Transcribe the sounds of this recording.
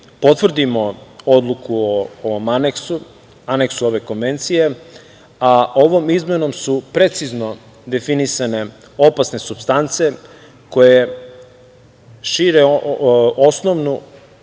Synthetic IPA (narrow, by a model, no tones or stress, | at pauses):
po̞t̪ʋr̩d̪imo̞o̞d̪lˠukuooʋo̞maneksu | aneksuo̞ʋe̞ko̞nʋe̞nt̪sije̞ | ao̞ʋo̞mizmeno̞msupɾe̞t̪sizno̞ | d̪e̞finisane̞ | opasne̞subst̪ant̪se̞ | ko̞je | ʃiɾe | osnoʋnu